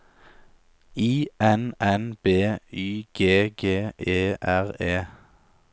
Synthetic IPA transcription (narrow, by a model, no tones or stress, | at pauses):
iːʔɛnɛnb̥eːyːɡ̥eːɡeːeːʔæʁeː